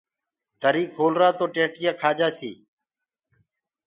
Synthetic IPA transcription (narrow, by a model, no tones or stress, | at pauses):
d̪ʱəɾiːkʰoːlɾaːt̪oːʈẽːʈɪjaːkʰaːd͡ʒaːsḭː